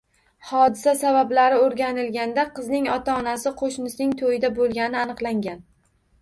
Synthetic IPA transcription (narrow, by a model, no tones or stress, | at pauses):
hɒd̪ɪsasabablaɾɪoɾɡʲanɪlɡʲand̪aqʰɨznɪŋɒt̪ʰaɒnasɪqʰoʃnɪsnɪŋt̪ʰojɪd̪abolˠɡʲanɪanɨqlˠaŋɡʲan